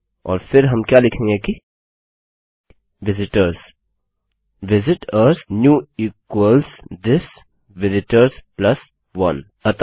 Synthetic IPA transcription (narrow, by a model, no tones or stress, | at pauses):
ɔ̰ːɾfʰɪɾɦɐmkjalɪkʰẽŋɡeki | ʋɪzɪʈəɾs | ʋɪzɪʈəɾsnjuːiːkwəlsdɪs | ʋɪzɪʈəɾsplɐs | ʋɐ̃n | ɐt̪